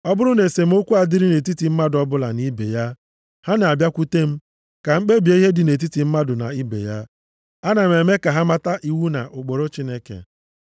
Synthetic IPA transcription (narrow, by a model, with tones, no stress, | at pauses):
ɔ˦bʊ˦ɾʊ˦ne˨se˨m̩˦o˦kʷu˦a˨dɪ˦ɾi˦ne˨t̬i˦ti˨m̩˦ma˦dʊ˨ɔ˦bʊ˦la̰˨ni˦bḛ˨ja˦ | ha˦na˨a˨bja˦kʷu˦te˦m̩˦ | ka˨ŋ͡m̩˦k͡pe˦bi˨e˦i˦ɦe˦dɪ˨ne˨t̬i˦ti˨m̩˦ma˦dʊ˨na̰˨i˦bḛ˨ja˦ | a˦na˨m̩˨e˨me˦ka˨ɦa˦ma˦ta˦ʔi˦wu˦na̰˨ʔʊ˨k͡po˨ɾo˦t͡ʃi˦ne˦kḛ˨